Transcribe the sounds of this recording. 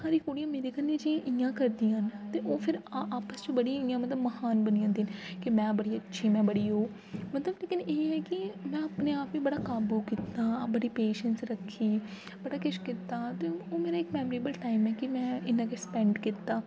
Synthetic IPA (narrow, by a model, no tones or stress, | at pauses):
saːɾiːkoːɽijãːmeːɾeːkənːẽːd͡ʒiãʔɪjãːkəɾd̪ĩːaənt̪eːʔoːpʰɪɾaaːpəst͡ʃbəɽĩɪjãːmət̪ləbməhaːnbənijãːnd̪inkɪmɛ̃ːbəɽiːətːʃʰiːmɛ̃ːbəɽiːɦoː | mət̪ləbleːkɪneːɦɛːkɪmɛ̃ːəpneːaːpʋẽːbəɽaːkaːbuːkit̪aːbəɽiːpeːʃənsɾəkʰːiː | bəɽaːkʊʃkɪt̪ːaːt̪eːoːmeːɾaːɪkmɛːmɾiːbəlʈaːɪmɛːkɪmɛ̃ːɪnãːkespɛ̃ɳɖkit̪aː